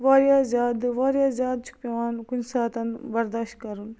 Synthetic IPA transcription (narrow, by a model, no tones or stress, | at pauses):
ʋaːɾjaːzjaːd̪ʋaːɾjaːzʲjaːd̪̚t͡ʃʰu̥k̚pʲeʋaːnkunsaːt̪ɐnbɐɾd̪aːʃt̪̚kɐɾun